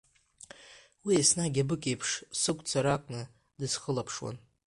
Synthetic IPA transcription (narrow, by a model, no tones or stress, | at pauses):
wiasnaɡʲabɨkʼe̞jpʰʂsɨkʷʼt͡sʰaɾakʷʼnɨ | dɨsχəlapʰʂwa̰n